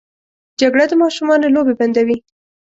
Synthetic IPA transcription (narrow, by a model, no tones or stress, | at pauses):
d͡ʒaɡɽad̪əmɑʃumɑnolobeband̪awi